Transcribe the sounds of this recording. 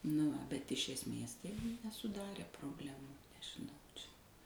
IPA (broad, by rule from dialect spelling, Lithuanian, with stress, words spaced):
nʊ ˈʋɐ bʲɛt ɪʃ ɛsʲˈmʲeːs ˈtɐɪ nʲɛsʊˈdɑːrʲeː proːbʲˈlʲæːmuː nʲɛʒʲɪˈnɐʊ ˈt͡ʃʲɛ